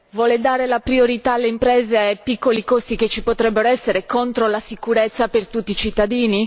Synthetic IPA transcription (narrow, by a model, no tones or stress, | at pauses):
vwɔːled̪aːɾelapɾioɾit̪aːlːeimpɾeːzeajpikːolikost̪iket͡ʃːipot̪ɾɛbːeɾoɛsːeɾekont̪ɾolasikuɾet̪sːapert̪ut̪ːiːt͡ʃit̪ːad̪iːni